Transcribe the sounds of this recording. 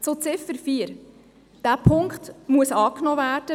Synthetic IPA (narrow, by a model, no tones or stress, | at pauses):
t͡sot͡sɪfəɾfiːəɾ | d̥æːpʰʊŋkχtmuəsɑːknɔvæːrd̥ə